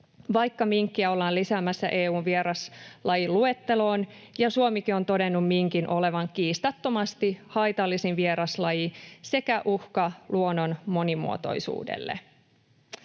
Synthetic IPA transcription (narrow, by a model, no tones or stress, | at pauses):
ʋɑjkːɑmiŋkːiæo̞lːɑːlisæːmæsːæ̰ʔe̞ːuːnʋieɾɑslɑjilue̞t̪ːe̞lo̞ːnjɑsuomikio̞nt̪o̞de̞nːummiŋkinʔo̞le̞ʋɑŋkiːst̪ɑt̪ːo̞mɑst̪ihɑjt̪ɑlːisinʋieɾɑslɑjise̞kæʔuhkɑluonːo̞nmo̞nimṵo̞̰t̪o̞̰jsṵːdḛlːḛ